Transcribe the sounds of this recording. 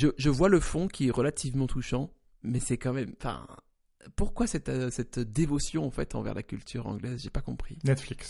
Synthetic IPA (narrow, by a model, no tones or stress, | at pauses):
ʒəʒəvwaləfɔ̃kʲiɛʁəlat̪ʰivmɑ̃t̪uʃɑ̃ | mɛsɛkɑ̃mɛmɑ̃fɛ̰̃ | puʁkwasɛt̪sɛt̪d̪evɔsjɔ̃ɑ̃fɛt̪ɑ̰̃vɛ̰ʁla̰kʲylt̪ʰyʁɑ̰̃ɡlɛzʒepakɔ̃pχinɛt̪fliks